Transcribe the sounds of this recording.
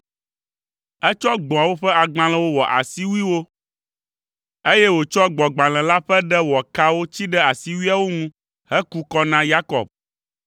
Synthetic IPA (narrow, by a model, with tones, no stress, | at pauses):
ɛ˦t͡ʃɔ˦ɡ͡bɔ̃˨a˨wo˦ɸɛ˦a˨ɡ͡bã˦lɛ̃˦wo˦wɔ˨ʔa̰˨si˦wu˦i˦wo˦ | e˦jɛ˦wo˨t͡ʃɔ˦ɡ͡bɔ˨ɡ͡bã˨l̃ɛ̃˨la˦ɸɛ˦ɖɛ˦wɔ˨ka˦wo˦t͡ɕi˦ɖɛ˦a˨si˦wi˦a˦˨wo˦ŋũ˦ | hɛ˦ku˦kɔ˦nã˦ja˦kɔ̰˨b̚